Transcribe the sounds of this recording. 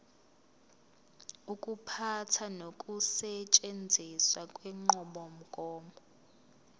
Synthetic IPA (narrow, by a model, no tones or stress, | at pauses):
ukʼupʰatʰanokʼusɛt͡ʃʼend͡zʱiswakʼwɛŋ͡ǃɔɓɔm̩kʼɔːmbɔ